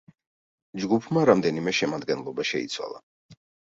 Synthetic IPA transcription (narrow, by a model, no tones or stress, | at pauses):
d͡ʒɡupʰmaɾamd̪ɛnimɛʃɛmad̪ɡɛnlˠɔbaʃɛḭt̪sʰwa̰lˠa